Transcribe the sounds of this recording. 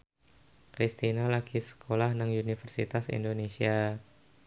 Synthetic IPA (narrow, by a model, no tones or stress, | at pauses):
kɾist̪inalakisə̥kʰolahnaŋunifərsit̪asḭndonesia